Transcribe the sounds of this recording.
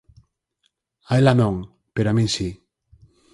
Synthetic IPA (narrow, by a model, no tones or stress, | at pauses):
aelanõŋ | peɾoamĩnsi